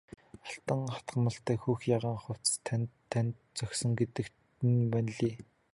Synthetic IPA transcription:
aɬt̪ə̆ŋχḁt̪ɢə̆mə̆ɬt̪æːxuːxjaʁəːŋχʊw̥ʲt͡st̪ʰnʰːænt̪̚t͡sœksɞ̆ŋɡet̪ɘ̆k | ɘ̆nmænɮiː

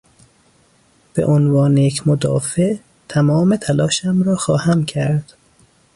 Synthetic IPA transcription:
b̥ḛʔonvɒːnejecʰmod̪ɒ̰ːfeʔ | t̪ʰæmɒːmet̪ʰælɒːʃæmɾɒːxɒːhæmcʰæɾd̪̥

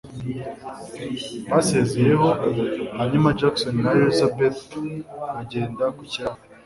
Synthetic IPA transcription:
βase̞zeje̞ho̞haɲumad͡ʒaksonnaɾelizabet̪ | aɟe̞ːndakucaa

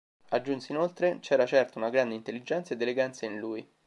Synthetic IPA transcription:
ad͡ʒːunsinolt̪ɾet͡ʃɛːɾat͡ʃɛrt̪aunaɡɾand̪eint̪elːid͡ʒːɛnt̪saed̪ːeleɡant̪sainluːj

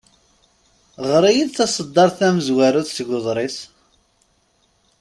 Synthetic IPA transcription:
ʁɾˤijiðθæsˤəd̪ːɑɾˤθæməzwaɾuðsəɡʊðˤɾˤis

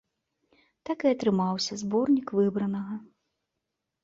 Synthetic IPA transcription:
t̪akɨɐt̪ɾɨmawsʲɐzbɔrnʲikvɨbɾɐnɐɣɐ

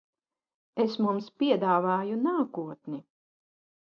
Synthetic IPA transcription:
esmumspʲiɛd̪aːvaːjunaːkuɔt̪ni

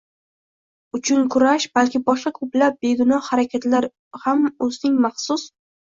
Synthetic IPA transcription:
ʊt͡ʃʰʊnkʰʊɾaʃbalkʲɪbɒʃqɑkʰɵplap̚be̞ɡʊnɒhaɾakʲʰat̪laɾ | hamɵzɪnɪŋmaχsʊs

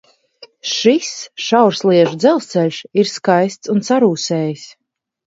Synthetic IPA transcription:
ʃisʃawɾsliɛʒud̪zɛlˠst̪sɛlʲʃiɾskajst̪sunsaɾuːsɛːjisʲ

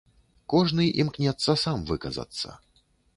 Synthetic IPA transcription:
kɔʐnɨʔimknʲɛt̪sːɐsamvɨkɐzɐ̰t̪sːɐ̰

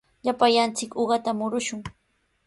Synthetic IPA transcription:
ʎapajant͡sɪkoɢɑt̪amʊɾʊʃʊŋ

